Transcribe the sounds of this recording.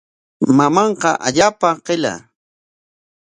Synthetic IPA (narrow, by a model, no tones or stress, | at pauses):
mamɑɴqɑʔaʎaːpaqɪla̰